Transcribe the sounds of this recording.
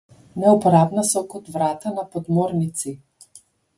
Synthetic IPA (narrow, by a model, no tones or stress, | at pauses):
nɛupɔɾabnasɔkɔt̪vɾat̪anapɔd̪mɔɾnit̪si